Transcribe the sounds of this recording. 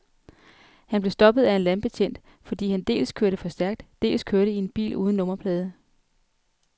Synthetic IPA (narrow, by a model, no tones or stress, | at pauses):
hænb̥le̝sd̥ɒ̽b̥ð̞̩ˠæe̝nlænb̥e̝t͡ɕʰjen̰d̥ | fɒ̽d̥ḭːhænd̥e̝̰ːlskʰøɐɾəfɒ̽sd̥æɐɡ̥̚d̥d̥e̝̰ːlskʰøɐɾəie̝nb̥ḭːlṵːð̞ˠn̩ːɔ̽mɐpʰlɛːð̞ˠə